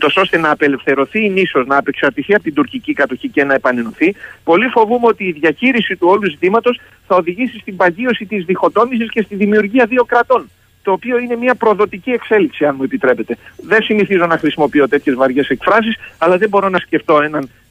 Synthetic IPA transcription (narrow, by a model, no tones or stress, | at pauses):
ut̪o̞so̞st̪e̞nɐːpe̞le̞fθe̞ɾo̞θiniso̞znɐːpe̞ksɐɾt̪iθiɐpot̪ind̪uɾcicikɐt̪o̞çice̞nɐe̞pɐne̞no̞θipo̞lifo̞vumeo̞t̪iːðʝɐçiɾisit̪uo̞luzit̪imɐt̪o̞s | θɐo̞ðiʝisist̪imbɐʝio̞sit̪izðixo̞t̪o̞mis̬isce̞st̪iðimiuɾʝiɐðio̞kɾɐt̪o̞n | t̪o̞ːpio̞ine̞miɐpɾo̞ðo̞t̪icie̞kse̞liksiɐnmue̞pit̪ɾe̞pe̞t̪e̞ðe̞nsiniθizo̞nɐxɾisimo̞pio̞t̪e̞t̪çe̞zvɐɾʝe̞se̞kfɾɐs̬isɐlɐðembo̞ɾo̞nɐsce̞ft̪o̞e̞nɐn